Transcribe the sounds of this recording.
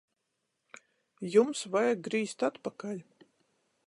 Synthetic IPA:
jumsvajaɡɾiːst̪at̪pakalʲ

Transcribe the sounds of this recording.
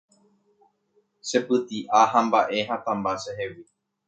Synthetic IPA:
ʃe̞pɨt̪iʔaɦãmbaʔe̞ɦat̪ãmbaʃeɦewi

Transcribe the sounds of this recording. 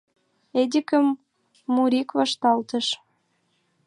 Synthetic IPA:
ed̪ʲikə̆mː | uɾikvɑʃt̪ɑlt̪ə̆ʃ

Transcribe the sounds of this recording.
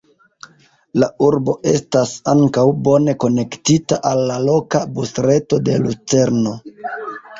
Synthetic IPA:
lauɾbo̞ʔe̞̰stasaŋkawbo̞ne̞ko̞ne̞ktitaʔalːalo̞kabusɾe̞to̞de̞lut͡se̞ɾno̞

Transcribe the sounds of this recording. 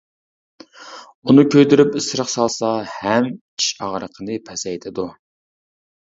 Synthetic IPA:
unɨkʲʰøjd̪yɾypɪsɨɾəχsɑlˠsɑhɛm | i̥ʃɑʁɾəqʰənɨpʰɛsɛjt̪ʰɪd̪u

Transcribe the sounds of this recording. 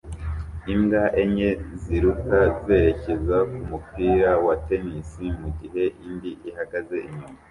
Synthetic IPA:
imɡaʔeɲe̞ziɾukaze̞ɾe̞ce̞zakumupiːɾawate̞nisimuɟiɦe̞ʔindiʔihaɡaze̞ʔiɲuma

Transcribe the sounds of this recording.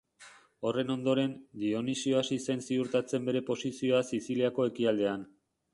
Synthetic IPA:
o̞re̞no̞nd̪o̞ɾe̞nd̪io̞nisio̞asisensiuɾt̪at͡se̞mbe̞ɾe̞po̞sisio̞asisiliako̞e̞kiald̪e̞an

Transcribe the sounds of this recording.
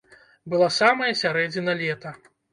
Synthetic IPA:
bɨlˠasamɐjɐsʲaɾɛd͡zʲinɐlʲɛt̪ɐ

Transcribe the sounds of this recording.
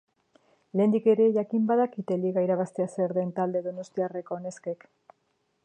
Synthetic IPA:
le̞nd̪ike̞ɾe̞ʝakimbaðakit̪e̞liɣaiɾaβ̞ast̪e̞aseɾðe̞nt̪ald̪e̞ðo̞no̞st̪iare̞koːne̞ske̞k

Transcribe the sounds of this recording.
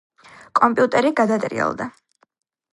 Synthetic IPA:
kʼɔmpʼiut̪ʼɛɾiɡad̪at̪ʼɾḭɛ̰lˠd̪a

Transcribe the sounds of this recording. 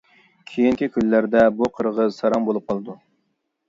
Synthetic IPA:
kʲʰejiŋkʲʰikʲʰynlæɾd̪ɛbuqʰəɾʁəzsɑɾɑmbolˠup̚qʰɑlˠɨd̪u

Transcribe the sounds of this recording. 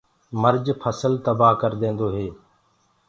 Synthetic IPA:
məɾd͡ʒpʰəsəlt̪əbaːɦkəɾd̪ẽːnd̪oːɦeː

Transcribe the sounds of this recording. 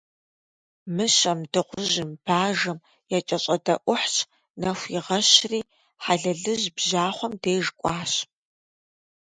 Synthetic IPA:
mɨɕɐmdɨqʷʊʑɪmb̥aːʒɨm | jat͡ʃʼɐɕʼɐdɐʔʷʊħt͡ʃʼ | nɐxʷjɪʁɐɕriː | ħaɮɐɮɨʑbʑaːχʷɔmdeːʐkʷʼɑːɕ

